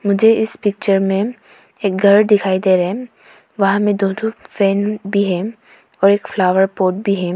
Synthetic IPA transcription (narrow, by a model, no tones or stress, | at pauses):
mʊd͡ʒʱeɪspɪk̚t͡ʃəɾmẽ | eːk̚ɡʱɐɾd̪ɪkʰaːid̪eːɾɐɦɛ̃ | ʋɐɦãmẽd̪oːʈ̪ʰufɛːnbʱiɦɛ̃ | ɔːɾeːkflaːʋəɾpoːʈ̚bʱiɦɛ̃